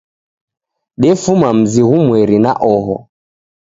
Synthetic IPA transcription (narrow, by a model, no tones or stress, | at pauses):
ɗɛfumam̩ziɣumwɛɾinaʔɔɦɔ̰